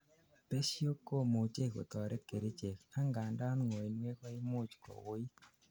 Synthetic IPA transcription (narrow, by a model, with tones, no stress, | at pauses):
pe˦sjo˦kːo˦˨mo˨t͡ʃe˦˨ko̰˨t̪ɔ˨ɾʔe˦ke˨ɾe˦t͡ʃe˨ka˦ŋɡa˨nda˦nŋo˨i˨nwe˦kɔ˦ɪ˦mʊ˦t͡ʃkɔ̰˨wʊ˦i˦